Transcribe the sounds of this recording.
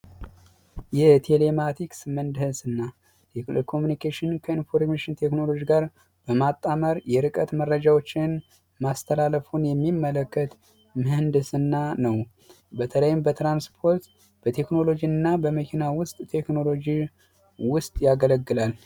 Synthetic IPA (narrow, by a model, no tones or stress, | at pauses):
jɛt̪ʰe̞le̞mat̪ʰiksmənd̪hɨsɨnːa | kʰo̞munikʰeʃɪnkʰəinfo̞ɾmeʃɪnt̪ʰe̞kno̞lo̞d͡ʒiɡaɾ | b̥əmat̪ʼːaməɾjɛɾɨkʼət̪mərːəd͡ʒawo̞t͡ʃːɪn | mast̪ʰəlaləfunjɛmːimːələkːət̪ | mɨhɨnd̪ɨsɨnːanəw | bət̪ʰələjɪmbət̪ɾanspʰo̞ɾt̪ | b̥ət̪ʰe̞kno̞lo̞d͡ʒiɨnːabəməkʰinawʊst̪ʼt̪ʰe̞kno̞lo̞d͡ʒi | wʊst̪ʼjaɡələɡːɨlal